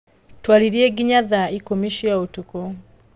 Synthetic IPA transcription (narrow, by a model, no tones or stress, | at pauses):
twaliɾjeɡiɲaðaikomiʃiaotuko